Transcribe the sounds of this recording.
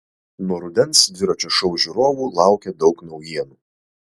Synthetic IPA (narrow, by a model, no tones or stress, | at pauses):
nuɔɾʊd̪ʲɛnsʋʲɪɾɔt͡ʃʲɛʃɔʊʒʲuɾoːʋuːlˠɑˑʊkʲɛd̪ɒʊknɐʊjiɛnu